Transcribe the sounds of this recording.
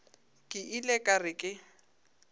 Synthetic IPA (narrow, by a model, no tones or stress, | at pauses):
kʼɪʔilɛkʼarɪkʼɪ